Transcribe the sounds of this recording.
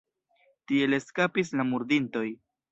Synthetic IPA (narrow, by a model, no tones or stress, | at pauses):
tie̞le̞skapislamuɾdinto̞j